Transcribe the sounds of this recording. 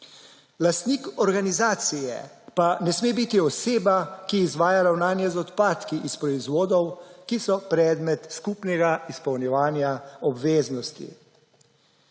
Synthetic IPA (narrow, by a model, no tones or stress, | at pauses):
last̪niːkɔɾɡanizaːt̪sijɛ̰ | panɛsmeːbit̪iɔseːbakiːzʋaːjaɾawnaːnjɛzɔt̪paːt̪kiʔispɾɔizʋoːd̪ɔwkisɔpɾɛːd̪mɛt̪skupnɛɡaispɔwnjɛʋaːnjaɔbʋeːznɔst̪ḭ